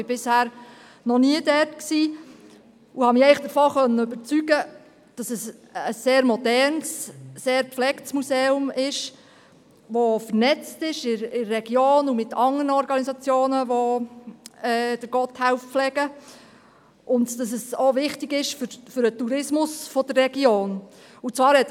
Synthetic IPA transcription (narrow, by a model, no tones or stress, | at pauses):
bɪbɪshæːɾ | nɔniədɛtksiː | uhɑmɪɛɪχd̥əɾfɔːχœnːəʏbəɾt͡syɡə | d̥ɑsəsəsːeːɾmɔdɛɾnsːeːɾpflɛktsmuseːʊmɪʃ | ʋofəɾnɛt͡stɪʃɪɪːɛɡjoːnumɪtʰɑŋənɔɾɡɑnisɑt͡sjoːnəʋo | ɛːd̥əɾɡ̥ɔthæʊfflɛɡ̥ə | ʔʊndd̥ɑs̬əsoʋɪχtɪɡɪʃfʏɾfʏɾətuɾɪsmʊsfɔd̥ərːɛɡ̥joːn | ut͡svɑːɾhɛt